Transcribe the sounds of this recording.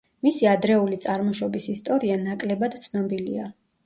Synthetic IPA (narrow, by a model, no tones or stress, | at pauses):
misiad̪ɾɛulit̪sʼaɾmɔʃɔbisist̪ʼɔɾianakʼlɛbad̪̥t̪sʰnɔbilia